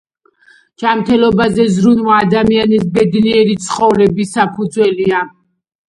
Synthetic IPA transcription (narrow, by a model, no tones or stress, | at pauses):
d͡ʒ̥amt̪ʰɛlɔbazɛzɾunwaːd̪amianisbɛd̪niɛɾit̪sʰχɔvɾɛbisapʰud̪zwɛlia